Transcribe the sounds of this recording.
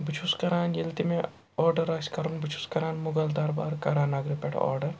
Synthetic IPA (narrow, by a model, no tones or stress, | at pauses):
bit͡ʃʰuskɐɾaːnjilt̪imẽ | ɔːɾɖɐɾɐkskɐɾunbit͡ʃʰu̥skɐɾaːnmʊɡɐld̪ɐɾba̰ːɾkɐɾaːnaɡɾipeʈʰɔ̰ːɾɖɐɾ